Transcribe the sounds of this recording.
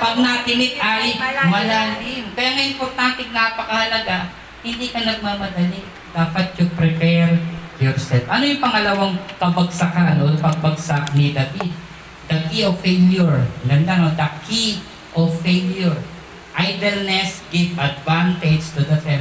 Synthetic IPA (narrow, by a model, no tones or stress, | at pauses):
pɐɡ̚nɐt̪ɪnɪt̪̚ʔaːɾiwɐladɪnpɛɾɐŋɐʔɪmpoɾt̪ant̪ɛnapɐkɐhɐlɐɡaʔ | hɪnd̪iːkɐnɐɡ̚mamɐd̪ɐli | d̪̥aːpɐt̪̚jʊpɾɛpɛɹjɔɹsɛlfʔɐnojʊŋpɐŋɐlɐwaŋkɐbɐɡsɐkanolpɐɡ̚bɐɡsak̚nɪd̪ɐki | d̪ɐkiofeljʊɹlɐnd̪aŋod̪ɐkʰi | ʔofeljoɹ | ʔajd̪ɛlnɛsɡ̥ɪvɐd̪vant̪ɛd͡ʒt̪ud̪ɐfɛ